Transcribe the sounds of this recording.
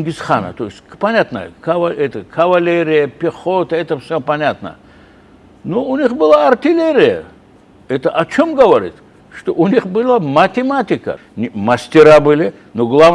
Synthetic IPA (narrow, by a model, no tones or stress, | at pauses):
ŋɡʲisχa̰nə̰t̪oɪsʲtʲpɐnʲat̪nə̰jə̰kɐvɐɛt̪əkʰɐvɐlʲeɾʲɪjəpʲɪχot̪əɛt̪əfsʲopɐnʲat̪nə̰ | noʊnʲiχbɨlˠaɐrt̪ʲɪlʲeɾʲɪjə̰ | ɛt̪əʔɐt͡ʃʰomɡəvɐɾʲḭt̪ | ʂt̪oʔʊnʲiχbɨlˠamɐt̪ʲɪmat̪ʲɪkə̰ | nʲmɐsʲt̪ʲɪɾabɨlʲɪ | noɡlˠav